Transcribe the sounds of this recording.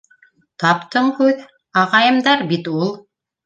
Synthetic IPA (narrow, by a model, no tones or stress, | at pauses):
t̪ɑpt̪ɤɴkʉð | ɑʁɑjɤ̆md̪ɑɾbit̪ulˠ